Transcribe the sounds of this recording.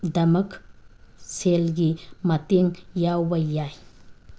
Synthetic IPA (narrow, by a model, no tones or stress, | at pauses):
d̪ɐmək | selɡimɐt̪eŋjawbɐjaj